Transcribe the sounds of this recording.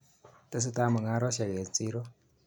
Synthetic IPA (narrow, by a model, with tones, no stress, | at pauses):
tʼe˦s̬i˦ta˦mʊ˨ŋa˦ɾɔ˦ʃa˨je˨t͡sʼiː˦ɾɔ˦